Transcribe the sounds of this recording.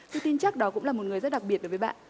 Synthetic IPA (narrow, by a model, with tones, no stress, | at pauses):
t̪ʰɨ˧t̪i˧nt͡ɕa˦˥k̚ɗɔ˨˦kʊ̰˧˥ŋ͡mlaː˨˩mo˨˩t̚ŋɨ˨əjzə˦˥ɗa˨˩k̚ɓi˨˩ət̚ɗə˨˩vːɓa̰ː˧˨ʔ